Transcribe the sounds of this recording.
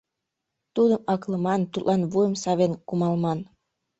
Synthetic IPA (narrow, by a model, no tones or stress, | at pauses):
t̪ud̪əmɑkləmɑnt̪ut̪lʔɑnvujəmsɑβenkumɑlmɑn